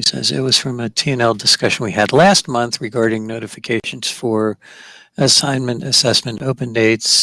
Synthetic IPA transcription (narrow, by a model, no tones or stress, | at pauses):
isɛ̰zɪ̰t̚wʌz̥fɹʌ̃mɨtʰiɛ̃nɛlˠdɨskʌʃɨ̃nwiɨdˡlæst̚mʌ̃nθɹɨɡɑɹɾɪ̃ŋnoʊɾɨfɨkʰeɪʃɨ̃n̩z̥fə˞ | ɨsãɪ̃nmɨ̃ntɨsɛsmɨ̃ntoʊpɨ̃ndeɪts